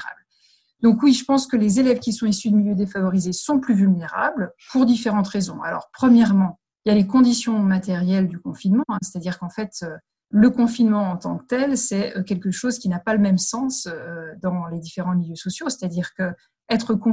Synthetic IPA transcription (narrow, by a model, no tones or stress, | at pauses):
ʁa̰bl | d̪ɔ̃kwiʒəpɑ̃skəlezelɛvkʲisɔ̃isyd̪əmiljød̪efavɔʁizesɔ̃plyvylneʁa̰blpuʁd̪ifeʁɑ̃t̪ʁezɔ̃a̰lɔ̰ʁpχəmjɛʁmɑ̃ | iljalekɔ̃d̪isjɔ̃mat̪ɛʁjɛld̪ykɔ̃finmɑ̃ɛ̃se̥t̪ad̪iʁkɑ̃fɛt̪ø | ləkɔ̃finmɑ̃ɑ̃t̪ɑ̃kt̪ɛlsɛøkʲɛlkəʃozkʲinapaləmɛmsɑ̃søːd̪ɑ̃led̪ifeʁɑ̃miljøsɔsjose̥t̪ad̪iʁkə | ɛt̪χəkɔ̃